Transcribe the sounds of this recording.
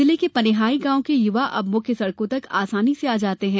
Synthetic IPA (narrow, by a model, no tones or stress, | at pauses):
ɪlikepɐnɪɦaːiɡãːõkejʊʋaʔɐ̰bmʊ̃kesɐɽkõt̪ɐkaːsaːniseaːd͡ʒaːt̪eɦɛ̃ː